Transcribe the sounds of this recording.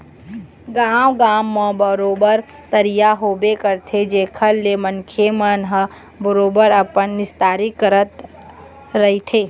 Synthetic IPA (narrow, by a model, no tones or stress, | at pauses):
ɡaːmɡaːmːə̃bəɾoːbəɾt̪əɾijaɦoːbekəɾt̪ʰed͡ʒeːkʰəlːemənkʰemənɦəbəɾoːbəɾəpənːɪst̪aːɾikəɾət̪ | ɾɐɦit̪ʰeː